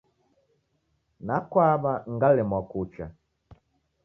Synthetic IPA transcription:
nakwabaŋ̩ɡalɪmɔkut͡ʃa̰

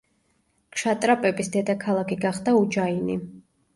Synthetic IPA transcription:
kʰʃat̪ʼɾapʼɛbisd̪ɛd̪akʰalˠakʰiɡaχd̪aud͡ʒainḭ

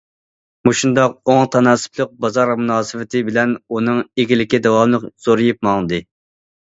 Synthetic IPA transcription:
muʃund̪ɑqoŋt̪ʰɑnɑːsɨ̥plˠəq̚bɑzɑɾmunɑːsɨvɪt̪ʰɪbɪlɛnunɨŋeɡʲilɪkʲid̪ɛwɑmlˠɨqz̥oɾɨjup̚mɑŋɨd̪ɨ

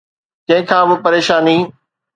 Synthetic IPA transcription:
t͡ɕɐ̃ɦɪ̃kʰãːbɪpɐɾeːʃaːniː

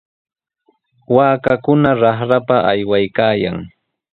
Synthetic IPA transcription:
waːkakʊnaɾɑχɾapaʔajwajkaːja̰ŋ

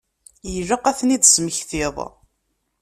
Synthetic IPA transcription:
jəʒəqːæθnid̪sməçθɪðˤ

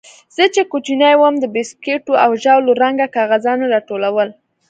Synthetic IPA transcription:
z̥ət͡ʃekot͡ʃinajwəmd̪əbɪskeʈoawʒawloɾaŋɡakɑɣazɑnoɾɑʈolawəl

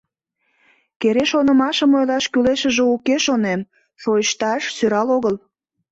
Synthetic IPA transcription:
keɾeʃonəmɑʃəmojlɑʃkyleʃəʒeukeʃonem | ʃojəʃt̪ɑʃsøɾɑloɣəl

